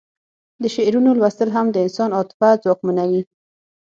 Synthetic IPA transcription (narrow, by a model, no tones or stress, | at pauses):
d̪əʃeɾunolwast̪əlɦamd̪əɪnsɑnɑt̪ɪ̥fazwɑkmunawi